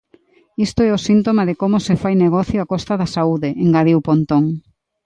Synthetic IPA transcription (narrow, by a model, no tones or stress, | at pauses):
ist̪oɛʊsint̪omaðɪkomʊsɪfajneɣɔθjoakɔst̪ɐðasauðeʔeŋɡaðiwpont̪oŋ